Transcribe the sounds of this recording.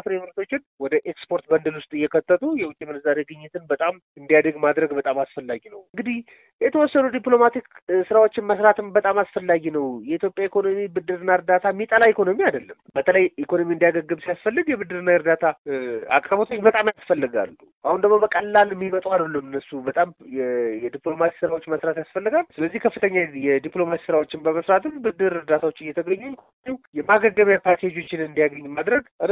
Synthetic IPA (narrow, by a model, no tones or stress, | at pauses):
fɾemɨɾt̪ʰo̞t͡ʃːɪnwɔd̪əʔekspo̞ɾt̪̚bənd̪əlwʊst̪ʼɨjːɛkʰət̪ːət̪ʼujɛwʊt͡ʃʼemɨnzaɾeɡɨɲːɪt̪ɨnbət̪ʼam | ɨnd̪ijad̪əɡmad̪ɾəɡbət̪ʼamasfəlːaɡinəwɨŋɡɨd̪ih | jɛt̪ʰəwɔsːənud̪iplo̞mat̪iksɨɾawo̞t͡ʃːɪnməsɾat̪ɨnbət̪ʼamasfəlːaɡinəwjɛit̪ʰjopʼjaikʰo̞no̞mibɨd̪ːɨɾɨnːaɨɾd̪at̪ʰamːit̪ʼəlaikʰo̞no̞miad̪əlːəmbət̪ʰələjikʰo̞no̞miɨnd̪ijaɡəɡːɨbsijasfəlːɨɡjɛbɨd̪ːɨɾɨnːaɨɾd̪at̪ʰaa̰kʼɾəbot̪ʰot͡ʃːbət̪ʼamjasfəlːɨɡa̰lːuʔahund̪əɡmo̞bəkʼəlːalmːimət̪ʼwad̪əlːəmɨnːəsubət̪ʼamjɛjɛd̪iplo̞masi̥sɨɾawo̞t͡ʃːməsɾat̪jasfəlːɨɡalsɨləzːihkʰəfːɨt̪ʰəɲːajɛd̪ipʼlo̞masi̥sɨɾawo̞t͡ʃːɪnbəməsɾat̪ɨmbɨd̪ːɨɾɨɾd̪at̪ʰawo̞t͡ʃːɨjːɛt̪ʰəɡəɲːukʰu | iwjɛmaɡəɡəmjapʰaɾt̪ʰied͡ʒo̞t͡ʃːɪnɨnd̪ijaɡəɲːmad̪ɾəɡ